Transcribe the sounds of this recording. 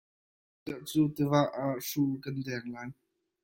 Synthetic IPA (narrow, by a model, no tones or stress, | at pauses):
t̪aʔt͡suːt̪ivaʔaʔʂulkɐndɛŋlaːj